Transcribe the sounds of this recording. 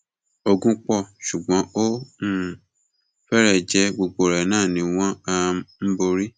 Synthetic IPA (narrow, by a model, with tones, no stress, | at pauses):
o˧ɡũ˦k͡pɔ˦˨ʃu˨ɡ͡bɔ̃˨˦ʔo˦mũ˦˨ | fɛ˦ɾɛ˦˨d͡ʒɛ˧˦ɡ͡bo˧ɡ͡bo˨ɾɛ˨nãː˦˨nĩ˨˦w̃ɔ̃˦a˧m̩˦bo˧ɾi˦